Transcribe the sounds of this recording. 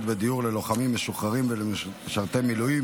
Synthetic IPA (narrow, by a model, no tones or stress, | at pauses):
d̪bed̪ijuʁlelo̞χamimːeʃuχaʁimveleʃaʁt̪emilui